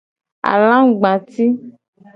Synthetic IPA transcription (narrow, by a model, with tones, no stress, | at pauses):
a̰˨lã˦ɡ͡bã˨t̪i˦